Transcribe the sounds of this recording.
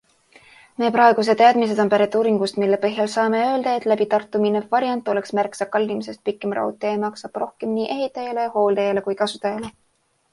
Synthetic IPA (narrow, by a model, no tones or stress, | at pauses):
me̞ːpɾɑeɡ̥us̬e̞d̪t̪ˑːɑːd̪̥mis̬e̞t̪ompæɾet̪ːˑuːɾiŋɡust̪milːe̞pɤɦjɑlsɑːme̞ø̞ːld̪̥ɑet̪ːˑlæbit̪ɑrt̪ːˑuminevvɑɾjɑnt̪ːˑo̞le̞ksmærksɑkɑlʲːimise̞st̪̚pikːˑe̞mrɑ̰ut̪ːˑeːmɑksɑb̥ro̞hke̞mniːʔe̞ɦit̪ːˑɑjɑle̞jɑho̞ːld̪ejɑle̞kujkɑsut̪ːˑɑjɑle